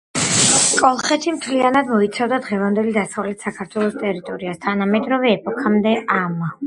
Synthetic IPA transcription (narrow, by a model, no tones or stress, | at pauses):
kʼɔlˠχɛt̪ʰimt̪ʰlianad̪mɔit̪sʰavd̪ad̪ʁɛvand̪ɛlid̪asavlɛt̪ʰsakʰaɾt̪ʰwɛlˠɔst̪ʼɛɾit̪ʼɔɾiast̪ʰanamɛd̪ɾɔvɛːpʼɔkʰamd̪ɛʔama